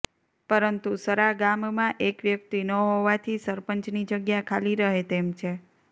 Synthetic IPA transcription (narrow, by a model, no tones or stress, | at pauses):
pəɾənt̪usəɾaɡammãʔekʋjək̚t̪inəɦoʋat̪ʰisəɾpəɲt͡ʃnid͡ʒəɡjakʰaliɾəɦet̪emt͡ʃʰe